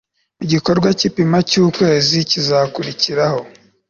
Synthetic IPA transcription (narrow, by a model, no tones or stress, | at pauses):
muɟiko̞ɾɡwacipimacuːkwe̞ːzicizakuɾiciɾaho̞